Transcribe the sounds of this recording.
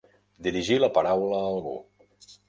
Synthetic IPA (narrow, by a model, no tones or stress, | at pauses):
d̪iɾiʒiləpəɾawləlṵ